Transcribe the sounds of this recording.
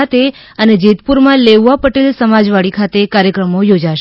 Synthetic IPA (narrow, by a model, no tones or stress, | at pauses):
at̪e | əned͡ʒit̪puɾmãleʋʋapəʈelsəmad͡ʒʋaɭikʰat̪ekaɾjəkɾəmojod͡ʒaʃ